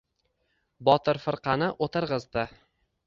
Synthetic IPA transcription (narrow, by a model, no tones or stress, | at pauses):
bɒt̪ʰɪɾfɨɾqʰɑnɪʔot̪ʰɪɾʁɨzd̪ɪ